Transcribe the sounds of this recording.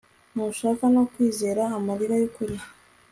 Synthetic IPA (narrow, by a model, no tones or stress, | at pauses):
nuʃaːkanokwiːze̞ːɾaːmaɾiɾajokuɾia